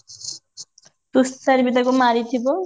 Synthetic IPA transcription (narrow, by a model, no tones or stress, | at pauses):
t̪ustaɾbid̪akumaɾit̪ʰibo